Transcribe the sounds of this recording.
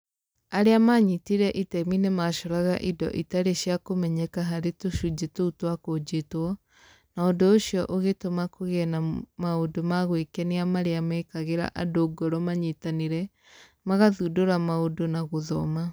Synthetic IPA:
aɾeamaɲitiɾɛʔitɛminemaʃɔɾaɣa̰ʔidɔ̰ʔitaɾeɕjakomɛɲɛkaɦaɾetoʃud͡ʒetoutwakod͡ʑetwɔ | naondoɕjɔʔoɣetomakoɣɛnamaodomaɣwekɛniamaɾeamɛkaɣeɾa̰ʔadoɡɔɾɔmaɲitaneɾɛ | maɣaðudoɾamaodonaɣoðɔma

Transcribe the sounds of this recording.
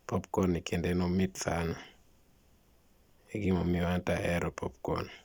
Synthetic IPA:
pop̚konːikʰendenomitsana | eɡimomioantaʔɛɾopʰop̚ko̰n

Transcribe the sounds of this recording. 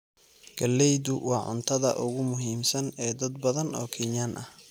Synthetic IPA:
ɡ̥ɐlːɛjðʊwɑːʕʊ̰nt̪ʰɐðɐ̰ʔʊɣʊmʊɦiːmsɐnɛːd̪ɐd̪̚bɐðɐnɔːkʰɪɲaːnʔɐh

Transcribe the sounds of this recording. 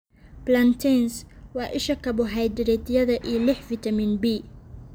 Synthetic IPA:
blɐnt̪ʰɛnswɑːʔɪʃɐkʰɐbʊɦɛjd̪ɪɾɛt̪ʰɪjɐðɐʔiːlɪħfɪt̪ʰɐmiːnbiː

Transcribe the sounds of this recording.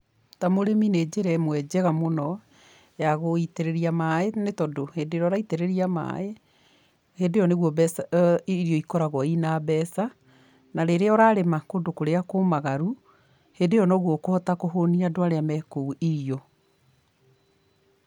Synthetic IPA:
tamoɾemined͡ʑeɾɛmwɛd͡ʑɛɣamonɔ | jaɣoiteɾeɾiamaenetɔdohedeɾɔɾaiteɾeɾiama̰e | hendejɔneɣwɔbsɾjɔikɔɾaɣɔinabɛːsa | naɾeɾeɔɾaːɾemakodokoɾeakomaɣaɾu | hendejɔnɔɣwɔkoɔtakohoniadoaɾeamɛkouiɾio

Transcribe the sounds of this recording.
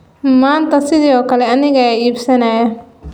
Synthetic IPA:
maːnt̪ɐsɪd̪iɔːkɐlɛɐnɪɣɐiːbsɐnaːjɐ

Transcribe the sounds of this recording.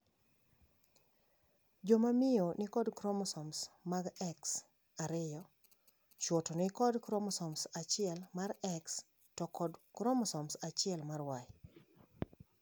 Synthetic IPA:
d͡ʒomamɪjonɪkɔdkɾɔmɔsɔmsmaɡɛks | aɾɪjɔ | t͡ʃwɔtɔnɪkɔdkɾɔmɔsɔmsat͡ʃɪɛlmaɾɛks | tɔkʰɔdkɾɔmɔsɔmsat͡ʃɪɛlmarwaj

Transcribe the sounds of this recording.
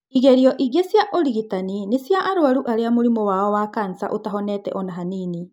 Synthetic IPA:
iɣeɾiɔʔiɣesjaʔɔɾiɣitaninesjaʔaɾwaɾuʔaɾeamoɾimɔwaɔwakansa̰ʔotaɦɔnɛtɛ̰ʔɔnaɦaniːni

